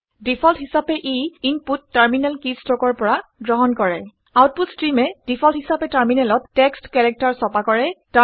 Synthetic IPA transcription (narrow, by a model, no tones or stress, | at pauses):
dipʰɔltɦisapɛʔiinputːaɹminɛlkistɹɔkɔɹpɔɹaɡɹɔɦɔnkɔɹɛ̰ | awt̚putstɹimɛd̥ipʰɔlthisapɛtaɹminɛlɔtːɛkstkɛɹɛk̚taɹsɔpakɔɹɛta